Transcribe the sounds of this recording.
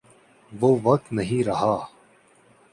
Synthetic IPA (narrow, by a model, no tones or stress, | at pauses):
ʋoːʋɐk̚t̪nɐɦĩːɾɐɦaː